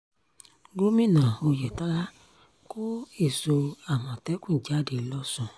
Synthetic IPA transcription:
ɡo˦mĩ˦˨nã˨o˧jɛ˨tã˦la˦ | ko˦e˦˨so˧a˨mã˨tɛ˨˦kũ˦˨d͡ʒa˨˦de˨lɔ˧˦sɔ̃˨

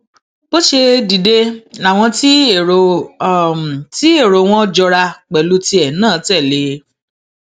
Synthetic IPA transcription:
bo˦ʃe˧di˨de˧a˨w̃ɔ̃˧ti˦˨ | m˨ti˦e˦˨ɾo˨w̃ɔ̃˦d͡ʒɔ˧ɾa˧k͡pɛ˨lu˧ti˧ɛ˨nãː˦˨tɛ˦˨le˨˦

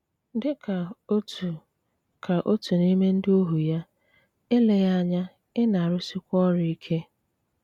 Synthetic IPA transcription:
dɪ˦kʰa˨o˦tu˨ | kʰa˨ʔo˦tu˨ni˦me˦n̩˦dɪ˦o˦ɦu˨ja˦ | ɪ˦le˨ja˦ɲa˦ | ɪ˦na˨a˨ɾʊ˦sɪ˦kʷɔ˦ɾʊ˨i˦kʰe˦

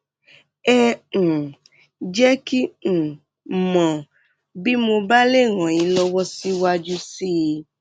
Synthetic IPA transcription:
ɛ̃˦˨ | d͡ʒɛ˦kĩ˦˨ | mã˨ | bi˦mo˧ba˦le˦˨ɣã˨jĩ˨˧˦lɔ˧wɔ˦si˦wa˧d͡ʒu˦si˦˧

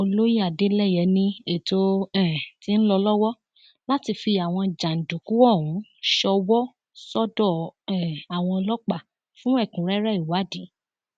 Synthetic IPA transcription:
o˧lo˦ji˦a˨de˦lɛ˦˨jɛ˨˦nĩ˧e˦˨to˦ɛ̃˨ti˦n̩˦lɔ˧lɔ˦wɔ˦ | la˦ti˧fi˧a˨w̃ɔ̃˧d͡ʒã˨n̩˨du˨ku˨˦wɔ˦˨ũ˨˦ʃɔ˧wɔ˦ | sɔ˦dɔ˦˨ɛ˨a˨w̃ɔ̃˧lɔ˦k͡pa˦˨ | fũ˦ɛ˦˨kũ˨˦ɾɛ˦ɾɛ˦˨i˨wa˨˦di˨˦

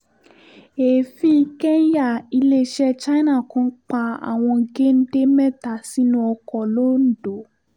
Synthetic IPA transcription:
e˨fĩ˧˦kɛ˦n˦ja˦˨i˧le˦ʃɛ˦t͡ʃa˦nã˦˨kũ˨˦k͡pa˧a̰˨w̃ɔ̃˧ɡe˦n̩˦de˦mɛ̃˦˨ta˨si˨˦nũ˧ɔ˧kɔ˨lo˦n̩˦do˨

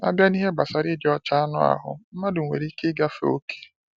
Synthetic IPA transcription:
a̰˦bja˦ni˦ɦe˦ɡ͡ba˨sa˨ɾi˦di˦ɔ˦t͡ʃa˦a˦nʊ̰˦a̰˨ɦʊ̰˨m̩˦ma˦dʊ˨ŋʷḛ˨ɾi˦kɪ˦ɡa˦fe˦o̰˦kʰe̥˨

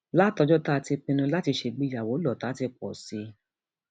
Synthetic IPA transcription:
la˦˨tɔ˧d͡ʒɔ˦ta˦˧ti˧k͡pĩ˧nũ˧la˦ti˧ʃe˧ɡ͡bi˦ja˨wo˨˦lɔ˦˨ta˨˦ti˧k͡pɔ̰˨si˧˦

